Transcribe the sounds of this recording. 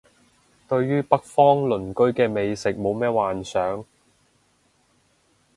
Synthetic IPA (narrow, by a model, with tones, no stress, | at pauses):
t̪ɵ˧ɥjyː˥pɐ˥k̚fɔː˥ŋlɵ˨˩nkɵ˥ɥkɛː˧me˨jsɪ˨k̚mo˨˧wmɛː˥waː˨nsœː˨˥ŋ